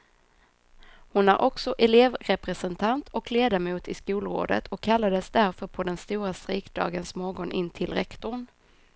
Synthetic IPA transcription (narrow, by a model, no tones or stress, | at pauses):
hʊnæɾʔɔksɔʔɛleːvɾɛpɾɛsɛnt̪ʰant̪ʰɔkleːd̪amuːt̪ɪskuːlɾo̰ːd̪ə̰t̪ʰɔkʰːalːad̪əsd̪æɾfœɾpʰɔd̪ɛnst̪uːɾast̪ɾɪːkd̪ɑ̰ːɡənsmɔːɡɔnʔɪnt̪ʰɪlɾɛkt̪ʊɳ